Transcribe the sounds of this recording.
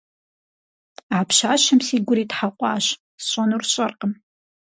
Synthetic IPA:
apʰʃaːʃɐmsiːɡʷʊɾiːtħaqʷʼɑ̰ːɕ | sɕʷʼɔnurɕʼɐrqʼəm

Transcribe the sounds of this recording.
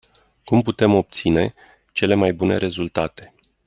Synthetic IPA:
kumput̪e̞mo̞p̚t̪sine̞ | t͡ʃe̞le̞majbune̞̰ɾe̞zult̪at̪e̞̥

